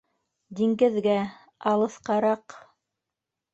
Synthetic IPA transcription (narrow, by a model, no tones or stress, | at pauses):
d̪iŋɡɘ̆ðɡæ | ɑlˠɤ̆θqɑɾɑq